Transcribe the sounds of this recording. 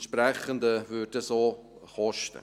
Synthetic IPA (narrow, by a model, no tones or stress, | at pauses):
ʃpɾɛχəndəvøːt̚ːəsoː | χɔʃtə̰